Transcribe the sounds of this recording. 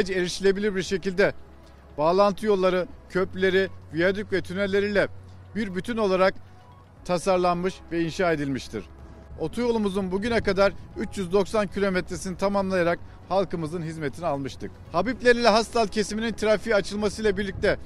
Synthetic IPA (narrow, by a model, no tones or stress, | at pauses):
d͡ʒeɾʲiʃilʲe̞bilʲiɾbiɾʃe̞cilʲd̪ɛ | b̥aːlˠant̪ʰɯjo̞lˠːaɾɯcʰøplʲe̞ɾivijad̪ycvɛt̪ʰyneɾlʲe̞ɾilʲɛ | biɾbyt̪ʰyno̞lˠaɾak̚ | t̪ʰasaɾlˠanmɯʃvɛinʃaːe̞d̪ilʲmiʃt̪ʰḭɾ̥ | o̞t̪ʰujo̞lˠumuzunbuɟynɛkad̪aɾyt͡ʃjyzd̪o̞ksancʰilʲo̞mɛt̪ɾesinit̪ʰamamlˠajaɾak̚ | halˠkɯmɯzɯnɦizmet̪ʰinialˠmɯʃt̪ʰɯk | habiplʲe̞ɾilʲɛɦast̪alˠcʰesiminint̪ʰiɾafiat͡ʃʰɯlˠmasɯjlˠabiɾlʲic̚t̪ʰɛ